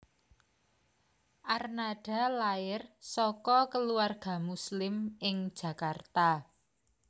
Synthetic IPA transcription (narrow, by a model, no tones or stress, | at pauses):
ʔarnaɖ̥a̤laɪrsɔkɔkəluarɡ̥a̤muslɪmɪŋ̥ʒ̥ä̤kart̪a